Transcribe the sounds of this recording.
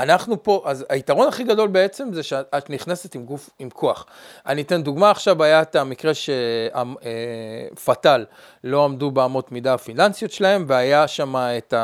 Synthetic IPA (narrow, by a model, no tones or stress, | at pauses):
anaχnupo̞ʔazaitaʁo̞naχiɡado̞lbe̞e̞t͡se̞mzeʃeat̪niχnese̞timɡufimkʰo̞aχʔa̰nite̞nduɡmaːχʃavajaetamikʁe̞ʃea̰mefatalː | o̞amdubeamo̞tmidaafinansijot̪ʃelae̞mveajaʃamaeta